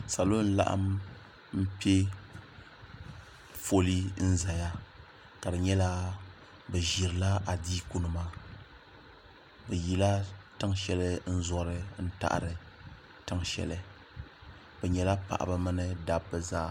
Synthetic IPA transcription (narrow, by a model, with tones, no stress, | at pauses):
sa˨lo˦n̩˦la̰˦ʔa̰˦m | m̩˦pi˦e˦ | fo˦li˦n̩˦za˨ja˦ | ka˨dɨ˨ɲɛ˦la˦ | bɨ˨ʒi˨ɾɨ˨la˦ʔa˨diː˦ku˦nɨ˨maː˦ | bɛ˨ji˦la˦tɨ˦ŋʃɛ˦lɨ˦n̩˦zɔ˦ɾɨ˦n̩˦ta̰˦ʔɾɨ˨ | tɨ˦ŋʃɛ̰˨lɨ˦ | bɛ˨ɲɛ˨la˦pa̰˨ʔa̰˨bɨ˦mɨ˦nɨ˦da˨bːɨ˨zaː˦˨